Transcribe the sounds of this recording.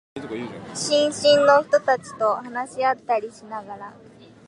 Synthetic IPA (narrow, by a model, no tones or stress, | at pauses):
ɕĩŋɕĩnnːost̪ot̪at͡ɕi̥t̪oɦanaɕijat̪ːaɽiɕinaɡaɾa